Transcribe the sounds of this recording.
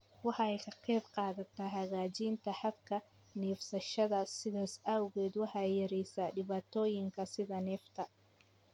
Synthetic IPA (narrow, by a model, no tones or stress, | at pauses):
wɑħɑɛjkʰɐqɛːbqɑːðɐt̪ʰaːɦɐɣaːt͡ʃiːnt̪ʰɐħɑd̪kʰɐ | niːfsɐʃɐðɐsɪðaːsawɣɛːd̪wɑħɑjɐɾɛjsaːɖɪβaːt̪ʰɔːjɪŋkʰɐsɪðɐnɛːft̪ʰɐ